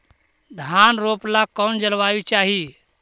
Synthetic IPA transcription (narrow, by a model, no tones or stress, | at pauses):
d̪ʱanɾoːplakɔnd͡ʒəlʋajut͡ʃaːɦi